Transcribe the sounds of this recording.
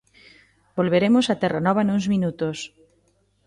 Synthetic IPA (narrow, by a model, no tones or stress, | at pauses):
bolβeɾemosat̪ɛranɔβ̞anuŋzmĩnut̪os